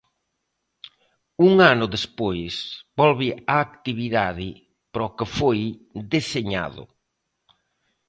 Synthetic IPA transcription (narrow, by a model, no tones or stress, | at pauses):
uŋanʊðespojsbɔlβɪaːkt̪iβ̞iðaðɪ | pɾɔkɪfojd̪eseɲa̰ðʊ̰